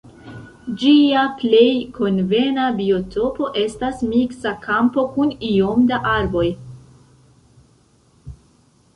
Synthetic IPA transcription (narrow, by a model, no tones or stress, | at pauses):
d͡ʒiaple̞jkʰo̞nve̞nabio̞tʰo̞po̞ʔe̞stasmiksakʰampo̞kuniomdaʔaɾbo̞j